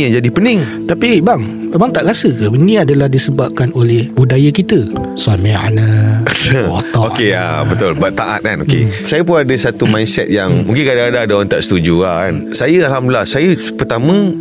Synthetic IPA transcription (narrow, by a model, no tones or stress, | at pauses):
aŋd͡ʒadipənɪŋ | t̪apibaŋ | baŋt̪aʔɾasəkaənĩadalahdisəbap̚kanolɛhbudajakit̪ə | samɛa̰nə̃t̪əɔt̪ɔokea̰bət̪ʊlbaʔt̪aʔa̰t̪̚kanokḛsajəpʊnadəsat̪umajnsɛ̰t̪̚jaŋmũŋkɪnkadaadadaant̪aʔsə̥t̪ud͡ʒuansajəalɦamdilasajə | pərt̪amə̃